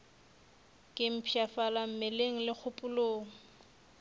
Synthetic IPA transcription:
kʼɪm̩pʰiafalam̩meleŋ̩lɪk͡xʰʊpʼʊloːŋ̩

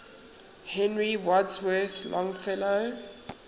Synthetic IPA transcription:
hɛ̃nɹiwɔdswɛθlʔɔ̃ŋfɛlo

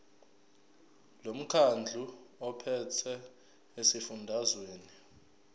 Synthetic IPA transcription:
lom̩kʰand͡ɮʱuɔpʰɛtʰɛ | esifundʱazweːni

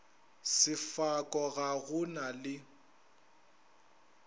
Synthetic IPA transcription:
sɪfakʼɔɣaɣʊnalɪ

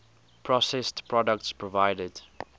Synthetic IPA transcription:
pʰɹɔsɛstpɹɔdək̚tspʰɹɔvaɪdəd

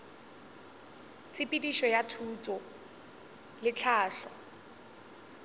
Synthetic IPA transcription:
t͡sʰɪpʼidiʃɔjatʰuːt͡sʼɔ | lɪt͡ɬʰaːɬɔ

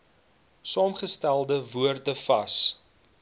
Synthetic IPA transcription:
sɑːmχəstælˠdəvuərtəfɐs

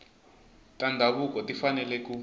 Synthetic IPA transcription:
tʼandʱaɓukɔtʼifanɛlɛkʼu

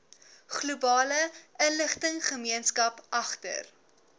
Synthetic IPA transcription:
χlubɑːləʔənləχtəŋχəmiənskɐpʔɐχtə̰r

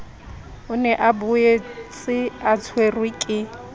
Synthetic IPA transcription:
ʊnɛʔabʊet͡sʼɪat͡sʰwerwɪkʼɪ

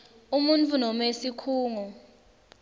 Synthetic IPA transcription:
umunt͡fʰʼunɔmesikʰuːŋɔ

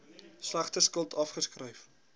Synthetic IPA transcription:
slæχtəskəlˠtʰɐfχəskrəjf

